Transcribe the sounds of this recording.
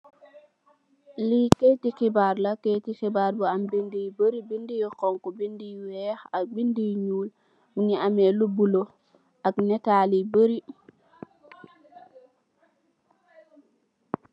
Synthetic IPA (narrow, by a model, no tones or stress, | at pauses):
liketikibaɾlaketixibaɾbɔambindijbəɾibindijikɔŋkɔbindiwɛxak̚bindijɲuːl | niamɛlubulo | ʔaknɛtaːlibəɾi